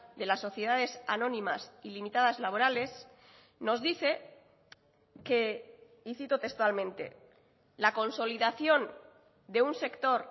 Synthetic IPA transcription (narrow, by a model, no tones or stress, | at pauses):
d̪e̞lasːo̞θjeð̞aðe̞sanõ̞nĩmasilimit̪aðazlaβo̞ɾale̞s | no̞zðiθe̞ | ke̞ | iθit̪ot̪e̞kst̪walmẽ̞nt̪e̞̰ | lako̞nso̞liðaθjo̞n | d̪e̞unse̞kt̪o̞ɾ